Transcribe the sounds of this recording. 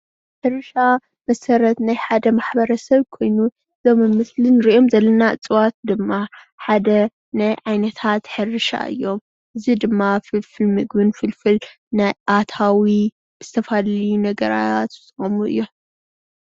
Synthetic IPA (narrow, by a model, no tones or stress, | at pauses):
ħɨɾɨʃa | mɐsɐɾɐt̪najħad̪ɐmaħbɐɾɐsɐβkʰo̞jnu | ɨzomɨmɨslɨnɨɾiʔo̞mzɐlːɐnaɨt͡sʼɨwat̪̚d̪ɨmːa | ħad̪ɐ | najʕajnɐt̪ʰat̪ħɨɾɨʃa̰ʔɨ̰jːo̞m | ʔɨzid̪ɨmːafɨlfɨlmɨɡbɨnfɨlfɨl | najʔat̪ʰawi | b̥ɨz̥ɨt̪ʰɐfaljunɐɡɐɾa̰jat̪ɨsʼɨɐmuɨ̰jːo